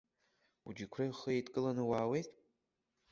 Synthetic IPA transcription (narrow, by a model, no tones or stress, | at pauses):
ṵd͡ʒikʷʰraχəetʼkʼɨlanɨwaːwe̞jtʼ